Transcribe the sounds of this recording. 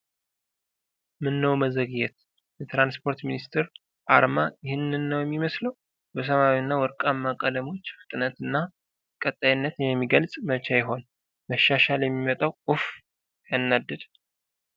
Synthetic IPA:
mɨnːəwməzəɡɨjɛt̪ | jɛt̪ɾanspʰo̞ɾt̪minist̪ʰɛɾ | ʔa̰ɾmajɪhɨnːɨnːəwjɛmːiməsləw | bəs̬əβawinːawɔɾkʼamːakʼələmo̞t͡ʃːfɨ̥t̪ʼɨnət̪ɨnːa | kʼət̪ʼːajɨnːət̪jɛmːiɡəlsʼmət͡ʃʰajɪɦo̞n | məʃːaʃaljɛmːimət̪ʼawʔuf | janːad̪ːɨd̪

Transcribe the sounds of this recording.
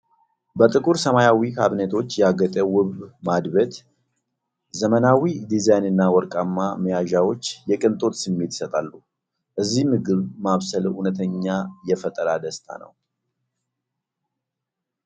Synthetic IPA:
bət̪ʼɨkʼuɾsəmajawikʰaβnet̪ʰo̞t͡ʃːjɛaɡət̪ʼɛwʊβmad̪βət̪ | zəmənawid̪izajnɨnːawɔɾkʼamːaməjaʒawo̞t͡ʃːjɛkʼɨnt̪ʼo̞t̪sɨmːe̞t̪ɪ̥sət̪ʼalːu | ʔɨzːihmɨɡɨβmaβsəlunət̪ʰəɲːajɛfət̪ʼəɾad̪əst̪ʰa̰nə̰w

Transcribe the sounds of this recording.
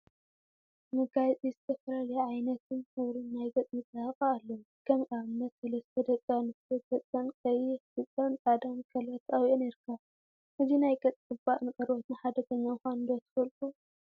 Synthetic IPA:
mɨɡat͡sʼizɨt̪ʰɐfɐlalɐjaʕajnɐt̪ʰɨnhɨβɾɨnːajɡʼɐt͡sʼmɨt͡s̪ʼːahɐxʼaːlːɐwu | kʰɐmʔaβɨnːɐt̪sɐlɐst̪ʰɐd̪ɐt͡sʼɐnɨɐtʼɐt͡sʼɐnkʼɐjɛɨt͡sʼɐnt̪ʼad̪ɐnkʼʰɐlɐt̪ʰawʔoniɾkʰa | ʔɨzinajkʼɐt͡sʼkʼɨbaʔnɨkʼɐɾwot̪nħad̪ɐt̪ʰɐɲːaɨxanɨnd̪ot̪ʰɨ̥fɐlk̪ʼu

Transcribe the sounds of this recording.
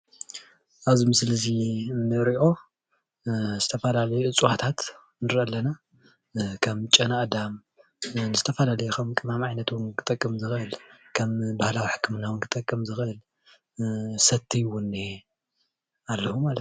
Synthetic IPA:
ʔaβzimɨslɨzinɨɾiʔo̞ | z̥ɨt̪ʰɐfɐlalɐjuʔɨt͡sʼuwat̪ʰat̪ | nɨɾʔɐlːɐna | kʰɐmt͡ʃʼɐnaʔd̪am | nɨzɨt̪ʰɐfɐlalɐjukʰɐmkʼɨmamʕajnɐt̪wʊnkʰɨ̥t̪ʼɐkʼːɐmzɨxɨlkʰɐmbahlawiħɨ̥kːɨmɨnawʊnkʰɨt̪ʼɐkʼːɐmzɨxɨl | sɐt̪ʰːijwʊnːe | alːɐhumalɐt̪

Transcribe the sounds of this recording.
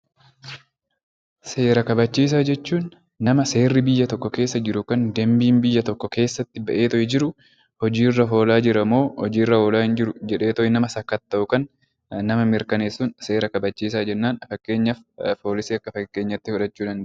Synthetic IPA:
se̞ːɾɐkɐbɐt͡ʃːiːs̬aːd͡ʒɛt͡ʃːuːnː | ɐmɐse̞ːrːɪbɪjːɐt̪ɔkːɔke̞ːsːɐd͡ʒɪɾʊkɐnd̪ɛmbiːnbɪjːɐt̪ɔkːɔke̞ːsːɐt̪ːɪbɐʔeːt̪ɔʔɛd͡ʒɪɾʊ | hɔd͡ʒiːrːɐɦo̞ːlaːd͡ʒɪɾɐmo̞ːhɔd͡ʒiːrːɐho̞ːlaːhɪnd͡ʒɪɾʊd͡ʒɛᶑe̞ːt̪ɔʔɛnɐmɐsɐkːɐt̪ːɐʔʊkɐn | nɐmɐmɪɾkɐneːsːʊnse̞ːɾɐkɐbɐt͡ʃːiːsaːd͡ʒɛnːaːnfɐkːe̞ːɲːɐfpo̞ːlɪsiːɐkːɐfɐkːe̞ːɲːɐt̪ːɪfʊᶑɐt͡ʃːuːᶑɐn

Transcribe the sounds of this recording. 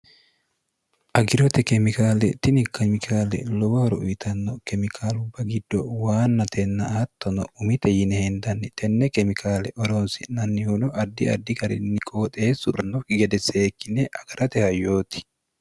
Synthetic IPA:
ʔɐɡɪɾɔt̪ɛkɛmɪkaːlɛt̪ɪnɪkɛmɪkʰaːlɛ̰lɔwɐhɔɾɔʔt̪ɐnːɔkɛmɪkʰaːlʊbːɐɡɪd̪ːɔwaːnːɐt̪ʰɛnːɐʔt̪ːɔnɔ̰ʊmɪt̪ɛjɪnɛhɛnd̪ɐnːɪt̪ʰɛnːɛkɛmɪkʰaːlɛʔɔɾonsɪnɐnːɪhʊnɔʔɐd̪ːɪɐ̰d̪ːɪɡɐɾɪ̰nːɪkʼoːt̪ʼeːsʊɾɐnːɔkɪɡɛd̪ɛseːkːɪnɛʔɐɡ̥ɐɾɐt̪ɛhɐjoːt̪ɪ̥

